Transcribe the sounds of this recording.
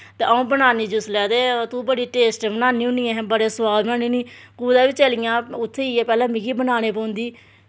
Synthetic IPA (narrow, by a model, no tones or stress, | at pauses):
t̪eːʔaũːbənaːniːd͡ʒʊslɛːd̪eːt̪ũːbəɽiːʈeːsʈbənaːniːũniːɛ̃ːɦbəɽeːsʊʋaːlbənaːnĩːniːkuːd̪aːʋiːt͡ʃəlijãːʊt̪ʰːeːiːɛːpɛːlãːmɪkiːbənaːñeːpõːʊ̃nd̪iː